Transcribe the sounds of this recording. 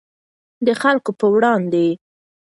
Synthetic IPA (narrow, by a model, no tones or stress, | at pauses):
d̪əxalkopəwɽɑnd̪e